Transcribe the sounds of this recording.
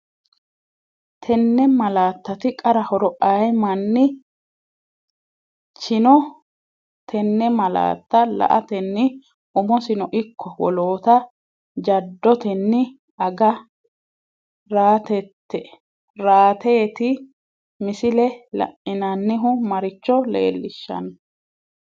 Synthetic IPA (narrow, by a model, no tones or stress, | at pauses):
t̪ʰɛnːɛmɐlaːt̪ːɐt̪ɪkʼɐɾɐhɔɾɔʔɐjmɐnːɪ | t͡ʃɪnɔ | t̪ʰɛnːɛmɐla̰ːt̪ːɐlɐ̰ʔɐt̪ɛnːɪ | ʊmɔsɪnɔʔɪkʰːɔwɔ̰loːt̪ɐ | d͡ʒɐd̪ːɔt̪ɛnːɪ | ʔɐɡɐ | ɾaːt̪ɛt̪ʰːɛ | ɾaːt̪e̞ːt̪ɪ | mɪsɪlɛlɐ̰ʔɪnɐnːɪɦʊmɐɾɪt͡ʃːɔlḛːlːɪʃːɐ̰nɐ